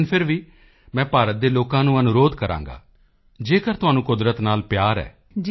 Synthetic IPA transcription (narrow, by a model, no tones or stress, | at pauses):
npʰɪɾʋiː | mɛ̃ːpaːɾət̪̚d̪eːloːkãːnũːənʊɾoːd̪kəɾã̰ːŋɡa̰ː | d͡ʒeːkəɾt̪ʊɦaːnũːkʊd̪ɾət̪naːlpjaːɾɛ̰ː